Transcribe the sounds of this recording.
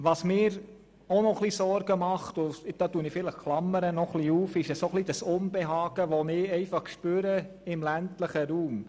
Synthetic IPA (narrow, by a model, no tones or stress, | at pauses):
ʋɑsmɪːɾ | ɔnɔχlisɔɾɡ̥əmɑχtʊd̥ɑːtuənɪfɪləχklɑmːəɾənɔχliuːfɪʃɛsoχlid̥ɑsʊnbɛɦɑːɡ̥əʋɔnɪɛɪfɑχkʃpøːɾəɪmlæntləχəɾuːm